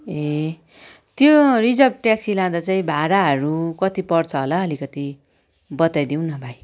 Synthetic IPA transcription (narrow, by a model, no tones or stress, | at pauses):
e | t̪jorid͡zʌbʈaksilãd̪at͡saĩbʱaɾaɦʌɾukʌt̪ipʌrt͡sʰʌɦolaʌlikʌt̪i | bʌt̪ajd̪iw̃nʌbʱaj